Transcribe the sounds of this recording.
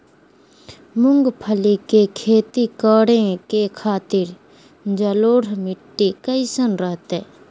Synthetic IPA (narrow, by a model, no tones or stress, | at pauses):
mʊŋɡpʰəlikekʰeːt̪ikəːɽẽkekʰaːt̪ɪɾ | d͡ʒəloːɽmɪʈːikəɪsənɾəɦt̪eː